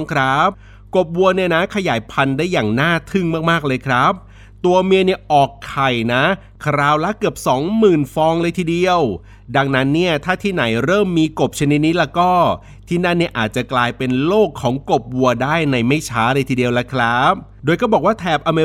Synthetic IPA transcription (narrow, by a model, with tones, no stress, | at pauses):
kʰɾa˦˥p̚ | ko˨˩p̚wu˧ɐni˥˩ɐna˦˥kʰa˧jaː˩˦jpʰa˧ndaː˥˩jːaː˨˩ŋnaː˥˩t̪ʰɯ˥˩ŋmaː˥˩k̚maː˥˩k̚lɤː˧jkʰɾa˦˥p̚ | t̪u˧ɐmi˧əni˥˩ɐʔɔː˨˩kʰːa˨˩jna˦˥ | kʰɾaː˧˩wla˦˥kɯ˨˩əp̚sɔː˩˦ŋmɯː˨˩nfɔː˧ŋlɤː˧jt̪ʰiː˧˩di˧əw | da˧ŋna˦˥nːi˥˩ɐt̪ʰaː˥˩t̪ʰiː˥˩na˩˦jɾɤː˥˩mːiː˧ko˨˩p̚t͡ɕʰa˧ni˦˥t̪̚ni˦˥lɛ˧˥˩kɔː˥˩ | t̪ʰiː˥˩na˥˩nːi˥˩ɐʔa̰ː˨˩t̪̚t͡ɕa˨˩klaː˧jpe˧nloː˥˩kʰːɔː˩˦ŋko˨˩p̚wu˧ɐdaː˥˩jna˧jma˥˩jt͡ɕʰaː˦˥lɤː˧jt̪ʰiː˧di˧əwla˦˥kʰɾa˦˥p̚ | doː˧jkɔː˥˩bɔː˨˩k̚waː˥˩t̪ʰɛː˨˩p̚ʔa˧me˧